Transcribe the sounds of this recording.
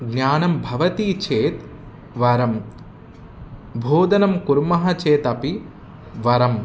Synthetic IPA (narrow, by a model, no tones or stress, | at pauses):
ɡnjaːnɐmbʱɐʋɐt̪iːt͡ʃʰeːt̪ | ʋɐɾɐm | bʱoːd̪ɐnɐmkuɾmɐɦɐt͡ʃeːt̪ɐpi | ʋɐɾɐm